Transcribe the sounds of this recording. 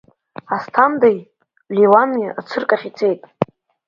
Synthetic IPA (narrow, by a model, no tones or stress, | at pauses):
astʰamd̪aj | liwanɨat͡sʰɨrkʼaχʲit͡sʰejtʼ